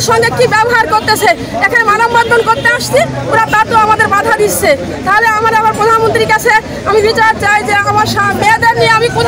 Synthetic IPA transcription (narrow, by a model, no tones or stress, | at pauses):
ʃɔŋɡekibɛboɦaɾkoɾt̪et͡ɕʰe | ekʰanemanomband̪ʱonkoɾt̪eaʃt͡ɕʰioɾat̪at̪oamad̪eɾbad̪ʱad̪iɾsʰe | t̪aɦoleamaɾamaɾpɾod̪ʱanmont̪ɾiɾkat͡ɕʰe | amibit͡ɕaɾt͡ɕajd͡ʑeamaɾʃamed̪eɾnijeamikod̪ʱ